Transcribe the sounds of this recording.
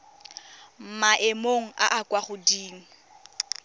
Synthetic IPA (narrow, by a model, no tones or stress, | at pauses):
m̩maʔemoŋ̩a̰ʔakʼwaχʊdiːŋ̩